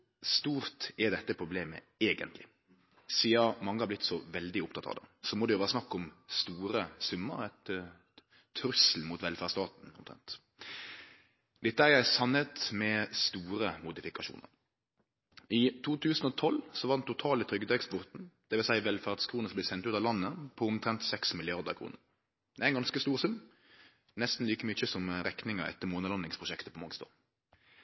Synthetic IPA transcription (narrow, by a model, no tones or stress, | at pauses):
st̪uːʁt̪ɛd̪ɛt̪ːəpʰɾʊbleːmə̰ | eːɡə̰nt̪lɪ̰ | siːɑmɑŋːəhɑɾb̪ɪt̪ːsɔʋɛld̪ɪʊpt̪ʰɑt̪ɑ̰ʋd̪ə̰sɔmɔd̪ɛjʊʋæːɾɑsnɑkːɔmst̪uːɾəsʉmːə̰ɾɛt̪ | ɾʉsl̩muːt̪ʋɛlfæːst̪ɑːt̪n̩ɔ̰mt̪ʰɾɛ̰nt̪ | d̪̥ɛt̪ːəæɾjæɪsɑnːət̪mɛst̪uːɾəmʊd̪ɪfɪkɑʃṵːnə̰ʁ | ɪt̪ʰuːt̪ʰʉːsn̩ɔt̪ʰɔlsɔʋɑʁd̪ɛnt̪ʊt̪ʰɑːlət̪ʰɾʏɡəd̪ekspʊʁt̪n̩d̪̥ɛʋɪlsæɪʋɛlfæːʁd̪skʰɾuːnəsɔmblɪsɛnt̪ʉːt̪ɑʋlɑnːəpʰɔʊmt̪ʰɾɛnt̪sɛksmɪlɪɑʁd̪ə̰ʁkʰɾṵːnəʁ | d̪̥ɛæɪnɡɑnskəst̪uːʁsʉmː | nɛst̪n̩liːkəmʏçəsɔmɾɛknɪŋə̰ɛ̰t̪ːəmoːnəlɑnɪŋspʰʁʊʃɛkt̪əpʰɔmɑŋst̪ɑ̰ː